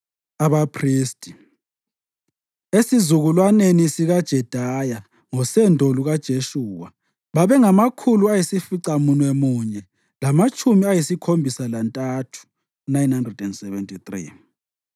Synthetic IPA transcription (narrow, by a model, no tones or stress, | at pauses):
aβapʰriːstʼi | esizuɣulwanenisiɣad̥ʒ̥ʱɛd̥ʱaja | ŋɔsɛndʱoluɣad̥ʒ̥ʱeʃuːwa | βaβɛŋamakʰuluajisifiǀamunwemuːɲɛ | lamat͡ʃʼʰumiajisikʰombʱisalantʼatʰu̥ | nainhandrɛdɛndsɛβɛntʼʰit̪rḭ